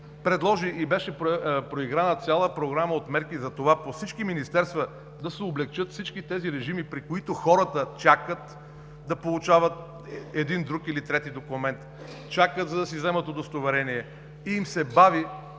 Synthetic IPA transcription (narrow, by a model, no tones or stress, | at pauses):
pɾɛd̪lˠɔʒiʔibɛʃɛppɾoiɡɾanət̪sʲalˠəpɾoɡɾaməot̪mɛɾkizɐt̪ovaposit͡ʃkiminist̪ɛɾst̪və | d̪ɐsɛoblɛkt͡ʃɤt̪fsit͡ʃkit̪ɛziɾɛʒimipɾikoit̪oxɔɾət̪ət͡ʃakət̪ | d̪ɐpolˠut͡ʃavət̪̚ | ɛd̪ind̪ɾukilit̪ɾɛt̪id̪okʊmɛnt̪ | t͡ʃakət̪zɐd̪ɐsizɛmət̪od̪ost̪ovɛɾɛniɛ | iːmsɛbavi